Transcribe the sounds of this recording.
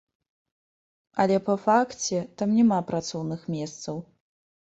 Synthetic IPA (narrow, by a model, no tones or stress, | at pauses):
ɐlʲɛpɐfakt͡sʲɛt̪amnʲɛmapɾat̪sɔwnɨxmʲɛst̪sɐw